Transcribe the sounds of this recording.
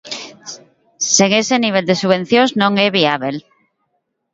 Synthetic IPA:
seŋeseniβ̞eld̪esuβ̞ẽn̟θjoznõŋeβ̞iaβ̞el

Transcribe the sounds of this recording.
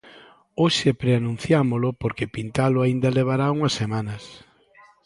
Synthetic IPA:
oʃɪpɾeanũn̟θjamolʊpoɾkepint̪alʊaind̪ɐleβ̞aɾauŋɐsːemanɐs

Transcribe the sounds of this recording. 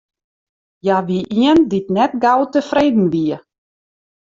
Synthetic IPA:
jaʋiʔiənditnɛtɡawtəfreːdn̩ʋiə

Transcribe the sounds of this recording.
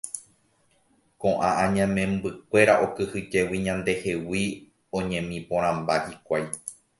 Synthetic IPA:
kõ̞ʔãʔãɲãmẽ̞mbɨk̚ʷe̞ɾaʔo̞kɨhɨd͡ʒe̞wiɲãnd̪e̞he̞wi | õɲẽ̞mĩpõɾ̃ãmbahikʷaj

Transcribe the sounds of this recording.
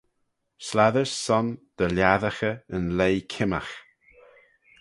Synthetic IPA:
slaðəɹsːɔnd̪̥əljaðəxəənlejkʰɪma̰x

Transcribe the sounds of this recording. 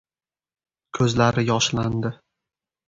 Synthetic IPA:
kʲʰɵzlaɾɪjɒʃland̪ɪ

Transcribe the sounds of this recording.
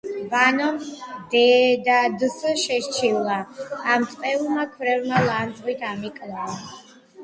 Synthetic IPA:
vanɔmd̪ɛd̪ad̪səʃɛʃt͡ʃʰivlˠaːmt̪ʼqʼɛulˠmakʰvɾɛvmalˠand̪zʁwit̪ʰamikʼlaa

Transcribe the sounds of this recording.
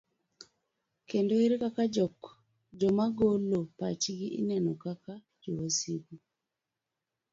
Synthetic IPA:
kendoiɾkakad͡ʒɔk | d͡ʒɔmaɡolopa̰t͡ʃiɡiʔinɛnokaka | d͡ʒowasiɡu

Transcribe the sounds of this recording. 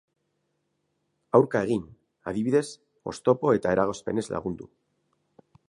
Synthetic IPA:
awɾkaeɣ̞in | a̰ðiβiðe̞s | o̞̰st̪o̞po̞e̞t̪ae̞ɾaɣ̞o̞spe̞̰ne̞zlʔa̰ɣ̞und̪u

